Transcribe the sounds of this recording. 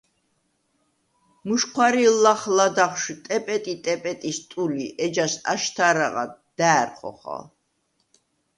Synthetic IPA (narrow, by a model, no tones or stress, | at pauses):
muʃkʰwaɾilaχlad̪aχʃt̪ʼɛpʼɛt̪ʼit̪ʼɛpʼɛt̪ʼist̪ʼuliʔɛd͡ʒasa̰ʃt̪ʰaɾaʁa̰d̪̥aːɾχɔ̰χa̰l